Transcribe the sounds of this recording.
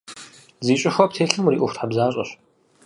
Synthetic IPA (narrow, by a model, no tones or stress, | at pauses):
ziːɕʼɪxʷɔp̚tʰeːɬɨmuɾiːʔʊxʷtħabzaːɕʼɐ̰ɕ